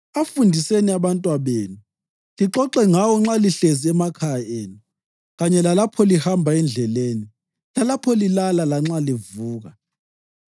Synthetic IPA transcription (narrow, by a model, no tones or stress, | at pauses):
afundʱiseniaβantʼwaβeːnu | liǁɔǁɛŋawɔŋ͡ǁaliɬeziɛmakʰajeːnu | ɣaɲɛlalapʰɔlihambʱaɛnd͡ɮʱɛleːni | lalapʰɔlilalalaŋ͡ǁalivuːɣa